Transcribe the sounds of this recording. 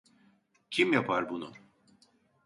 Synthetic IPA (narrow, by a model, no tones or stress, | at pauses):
cʰimjapʰaɾbunʊ